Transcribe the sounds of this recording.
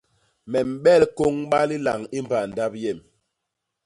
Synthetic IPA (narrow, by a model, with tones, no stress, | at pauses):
mɛ˨m̩˨ɓɛ˦˨lko˦ŋɓa˦li˦la˨ŋi˦mba˨n˨da˦p̚jɛ˦˨m